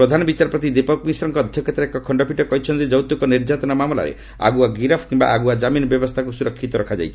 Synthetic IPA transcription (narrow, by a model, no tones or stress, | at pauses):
pɾɔd̪ʱanɔbit͡ʃaɾɔpɾɔt̪id̪epɔkmisɔɾɔŋkɔːd̪ʱjɔkjɔt̪aɾekɔkʰɔɳɖɔpʰiʈɔkɔɦit͡ʃʰɔnt̪id͡ʒɔwt̪ukɔniɾd͡ʒat̪ɔnɔmamɔla̰ɾḛ | a̰ɡuaɡiɾapʰkimba̰ʔaɡuad͡ʒaminɔbjɔbɔst̪ʰakusuɾɔkʰːit̪ɔɾɔkʰad͡ʒa̰jt͡ʃʰi̥